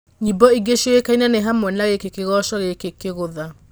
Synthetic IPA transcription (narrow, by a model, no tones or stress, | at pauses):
ɲibɔiɡeʃɔwekainaneɦamwɛnaɣekekeɣɔːʃɔɣekekeɣoða